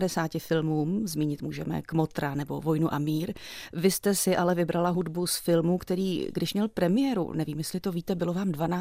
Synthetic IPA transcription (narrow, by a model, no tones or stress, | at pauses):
dɛsaːcɪfɪlmuːmzmiːɲɪt̪muːʒɛ̰mɛ̰kmot̪ɾanɛbo̞̰vo̞jnuʔamiːɾvɪst̪ɛsɪʔalɛvɪbɾalaɦudbusfɪlmukt̪ɛɾiːɡdɪʃmɲɛlpɾɛmɪjɛːɾṵnɛviːmjɛslɪt̪o̞viːt̪ɛbɪlo̞vaːmdvanaː